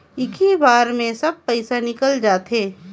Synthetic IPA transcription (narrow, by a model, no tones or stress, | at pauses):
ɪkʰibaːɾmẽsɐb̚pəɪsanɪkəld͡ʒaːt̪ɦeː